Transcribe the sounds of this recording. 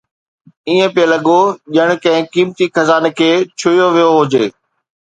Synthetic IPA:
iːə̃pelɐɠoʄəɽ̃̆kɐ̃ɦɪ̃kiːmt̪ixɐzaːnkʰeːt͡ɕʰʊijoʋijoɦʊd͡ʑeː

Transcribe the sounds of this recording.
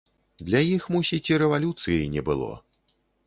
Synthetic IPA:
d̪lʲajixmusʲit͡sʲiɾɛvalʲut̪sɨjɐjnʲɛbɨlˠɔ̰

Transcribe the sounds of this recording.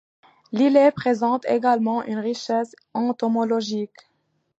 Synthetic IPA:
lilepχezɑ̃t̪ḛɡalmɑ̃ʔynʁiʃɛs | ɑ̃t̪ɔmɔlɔʒik

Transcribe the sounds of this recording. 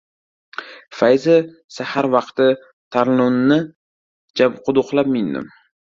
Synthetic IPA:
fajzɪ | sahaɾvɑqt̪ɪ | t̪ʰaɾlʊnːɪ | d͡ʒabqʰʊd̪ʊqlˠap̚mɪnd̪ɪ̰m

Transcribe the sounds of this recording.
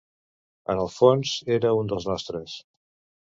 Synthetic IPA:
ə̰nəlˠfonzeɾəund̪əlznɔst̪ɾəs

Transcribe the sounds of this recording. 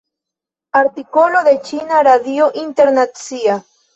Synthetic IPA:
aɾt̪ikoloðet͡ʃinaɾaðjoʔint̪eɾnat̪sia

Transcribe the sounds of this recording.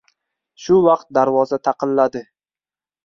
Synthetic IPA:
ʃʊvɑq̚t̪̚d̪aɾvɒzat̪ʰɑqɨlːad̪ɪ

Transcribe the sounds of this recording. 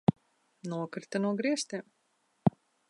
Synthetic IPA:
nuɔkɾt̪anuɔɡɾiɛst̪iːm

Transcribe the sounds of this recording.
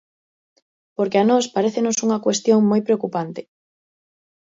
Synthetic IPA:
poɾkeanɔspaɾeθenosuŋɐkwest̪joŋmojpɾeokupant̪e̥

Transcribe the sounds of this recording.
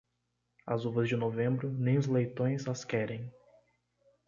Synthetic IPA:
ɐ̰zuvɐzd͡ʒɪnovẽmbɾʊnẽj̃ʊzlejt̪õj̃zɐskɛɾẽj̃

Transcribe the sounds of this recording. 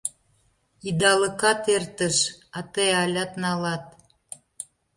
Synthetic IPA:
id̪ɑləkɑt̪ert̪əʃɑt̪eɑlʲɑt̪nɑlɑt̪̚

